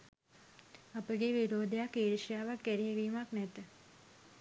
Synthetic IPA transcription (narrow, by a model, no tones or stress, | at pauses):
ɐpəɡeʋiɾoːd̪jakeːɾʃjaʋakeɾeʋimaknet̪